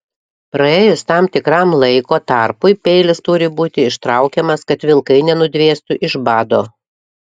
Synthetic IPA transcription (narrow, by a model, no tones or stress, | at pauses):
pɾɐeːjʊst̪ɑmt̪ʲɪkɾɑmlˠɐɪkoːt̪ɑˑɾpʊɪpʲɛɪlʲɪst̪ʊɾʲɪbuːt̪ʲɪɪʃt̪ɾɐʊkʲɛmɐskɐt̪ʋʲɪlˠkɐɪnʲɛnʊd̪ʲʋʲeːst̪ʊʔɪʒbɑːd̪oː